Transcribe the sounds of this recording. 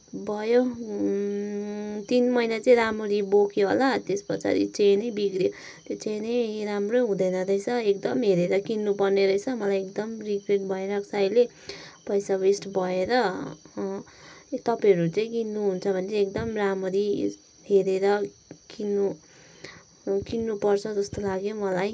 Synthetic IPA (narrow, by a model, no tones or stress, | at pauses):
bʱʌjo | t̪inmʌjnat͡sʌĩɾamoɾibokʰjoɦo̰lat̪espʌt͡sa̰ɾḭt͡senʌjbiɡɾje | t̪jot͡senʌjramroɦũd̪ʌjnʌɾʌjsʰʌekd̪ʌmɦeɾeɾʌkinːupʌrneɾʌjt͡sʰʌmʌlajekd̪ʌmrikreʈ̚bʱʌeɾʌksajle | pʌjsabesʈbʱʌeɾʌ | t̪ʌpãʌɾut͡sʌĩkinːuɦunt͡sʰʌbʱʌnːkd̪ʌmramʌɾi | ɦeɾeɾʌ | kinːu | kinːupʌrt͡sʰʌd͡zʌst̪olaɡjomʌlaj